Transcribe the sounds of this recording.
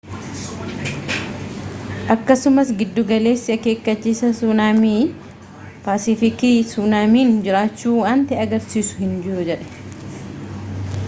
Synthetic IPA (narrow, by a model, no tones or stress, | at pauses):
ʔɐkːɐsʊmɐsɡɪd̪ːʊɡɐle̞ːsːɪɐke̞ːkːɐt͡ʃːiːsɐsuːnaːmiː | paːsɪfɪkiːsuːnaːmiːnd͡ʒɪɾaːt͡ʃːuːaːnt̪ɛɐɡɐɾsiːsʊ̥hɪnd͡ʒɪɾʊd͡ʒɛᶑɛ̥